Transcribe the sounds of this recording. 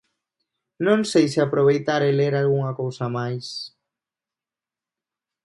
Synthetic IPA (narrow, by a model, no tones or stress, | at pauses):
nõŋsejseapɾoβ̞ejt̪aɾeleɾalɣuŋakowsamajs